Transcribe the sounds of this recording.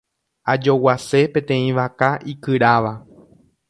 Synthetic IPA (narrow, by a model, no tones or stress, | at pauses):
ad͡ʒo̞wase̞pẽ̞t̪ẽ̞ĩʋakaʔikɨɾaʋa